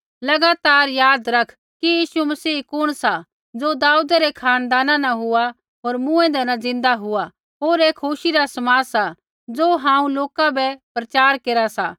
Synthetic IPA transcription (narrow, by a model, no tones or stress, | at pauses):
lɐɡaːt̪aːɾjaːd̪ɾɐkʰ | kijiːsumɐsiːkʊɽ̃sa | d͡zoːd̪aːud̪aɾekʰaːnd̪aːnãnãɦʊa | ɦoːɾmũɛ̃d̪ɛnãd͡zɪ̃nd̪aɦʊa | ɦoːɾeːkʰoʃiɾasɐmaːsa | d͡zoːɦãːũloːkabɛpɾɐt͡ʃaːɾkeːɾasaː